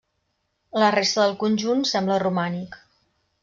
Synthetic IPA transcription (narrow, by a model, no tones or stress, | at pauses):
lərest̪əðəlˠkunʲʒunsɛmblərumanik